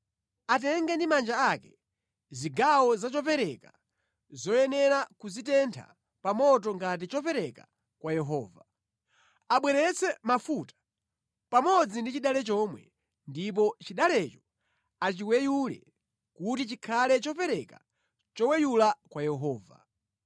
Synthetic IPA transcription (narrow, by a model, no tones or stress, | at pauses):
at̬ɛŋɡɛndimand͡ʒaakɛ | ziɡawɔzat͡ʃɔpɛɾɛka | zɔjɛnɛɾakuzit̬ɛntʰa̰ | pamɔtɔŋɡat̬it͡ʃɔpɛɾɛka | kwajɛɦɔ̰ːva | aɓwɛɾɛt͡sɛmafutḁ | pamɔd͡zindit͡ʃiɗalɛt͡ʃɔmwɛ̰ | ndip̬ɔt͡ʃiɗalɛt͡ʃɔ̥ | at͡ʃiwɛjulɛ̰ | kutit͡ʃikʰalɛt͡ʃɔpɛɾɛka̰ | t͡ʃɔwɛjulakwajɛɦɔːva̰